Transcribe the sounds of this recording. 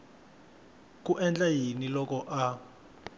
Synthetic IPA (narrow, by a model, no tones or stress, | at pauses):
k̬ʼuʔɛnd͡ɮajinilɔk̬ɔʔa